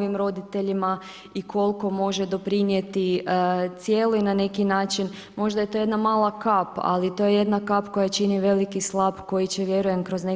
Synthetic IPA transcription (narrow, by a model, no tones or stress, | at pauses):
ʋimɾo̞d̪it̪e̞ʎima | ikʰo̞lko̞mo̞ʒed̪o̞pɾinje̞t̪it̪sje̞ːloinane̞kinaːt͡ʃin | mo̞ʒd̪ajet̪o̞je̞d̪namaːlˠakapa̰lit̪o̞jeje̞d̪nakapko̞jat͡ʃiniʋe̞likislˠapko̞jit͡ɕeʋje̞ɾuje̞mkɾo̞zne